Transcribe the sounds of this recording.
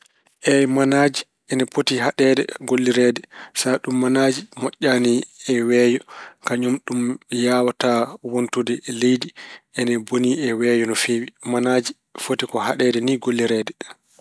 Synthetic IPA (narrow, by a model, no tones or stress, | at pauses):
ʔɛjmanaːd͡ʒi | ʔɛnɛfotiɦaɗɛːdɛ̰ɡolːiɾɛːdɛsaɗumːanaːd͡ʒimɔʔʲːaniɛwɛːjɔkaɲumɗumjaːwatawontudɛlejdiʔɛnɛboniɛwɛːjɔnɔfeːwimanaːd͡ʒi | fotikɔɦaɗɛdɛniɡolːiɾɛːdɛ